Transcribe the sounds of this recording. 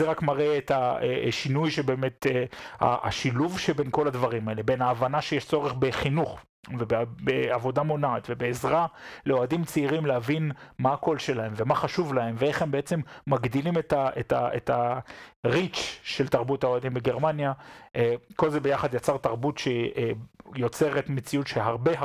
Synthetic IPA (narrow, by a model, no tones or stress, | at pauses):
zeʁakmaʁeetaeʃinujʃebe̞ːmet̪ea̰a̰ʃiluvʃebe̞nko̞ladvaʁimae̞le̞benaːvanaʃejeʃt͡so̞ʁeχbe̞χinuχ | vebebeavo̞damo̞nait̪ve̞beːzʁaleo̞adimt͡siiʁimleavinmaːko̞lʃe̞lae̞mve̞maχaʃuvlahe̞mveeχhembeet͡se̞mːaɡdilimetaʔetaeta | ʁit͡ʃʃeltaʁbuthao̞adimbeɡeʁmanjaʔeko̞lzebejaχad̪jat͡saʁt̪aʁbutʃe | jo̞t͡se̞ʁetmet͡siutʃeɦaʁbe